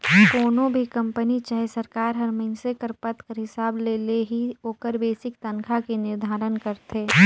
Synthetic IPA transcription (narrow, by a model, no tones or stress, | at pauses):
koːnõbʱikɐ̃mpənit͡ʃaːɦesɐɾkaːɾɦɐɾməɪnsekəɾpət̪kəɾɦɪsaːbleːleɦioːkəɾbeːsɪkt̪ɐnkʰakenɪɾd̪ʱaːɾənkəɾt̪ʰeː